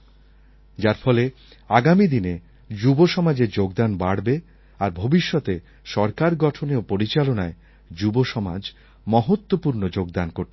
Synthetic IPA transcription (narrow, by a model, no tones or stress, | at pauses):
d͡ʑaɾfɔle | aɡamid̪ine | d͡ʑuboʃɔmad͡ʑeɾd͡ʑoɡd̪anbaɽbe | aɾbʱobiʃːɔt̪e | ʃɔɾkaɾɡɔʈʰoneopoɾit͡ɕalonae | d͡ʑuboʃɔma̰d͡ʑ | mɔɦot̪ːwopuɾnod͡ʑoɡd̪ankoɾt̪e